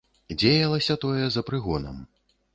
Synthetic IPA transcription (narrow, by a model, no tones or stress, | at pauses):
d͡zʲejɐlˠɐsʲɐt̪ɔjɛzɐpɾɨɣɔnɐ̰m